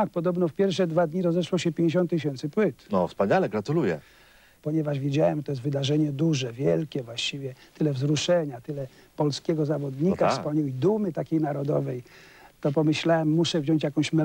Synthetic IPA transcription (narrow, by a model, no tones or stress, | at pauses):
ak̚pɔd̪ɔbnɔfpʲjɛɾfʂɛd̪vad̪ɲiɾɔzɛʂwɔɕɛpʲjeɲd͡ʑeɕ̬ɔ̃nt̪ːɨɕ̬ɛnt̪sɘpwɘt̪nɔ̰fspaɲalɛɡɾat̪ulujɛ̰ | pɔɲɛvaʐvʲjed͡ʑawɛmt̪ɔjɛs̬t̪vɘd̪aʐɛɲɛd̪uʐɛvʲjɛlkʲɛvwaɕt͡ɕivʲjɛt̪ɘlɛvzɾuʂɛɲat̪ɘlɛ | pɔlskʲɛɡɔzavɔd̪ɲikafspaɲɛwid̪umɘt̪akʲejnaɾɔd̪ɔvɛj | t̪ɔpɔmɘɕlawɛmːuʂɛvʑɔ̃ɲt͡ɕjakɔ̃w̃ɕmɛ